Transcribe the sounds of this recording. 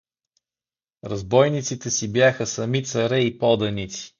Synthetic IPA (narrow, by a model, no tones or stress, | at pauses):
ɾɐzbɔjnit̪sit̪ɛsibjaxəsɐmit̪sɐɾɛipɔd̪ɐnit̪si̥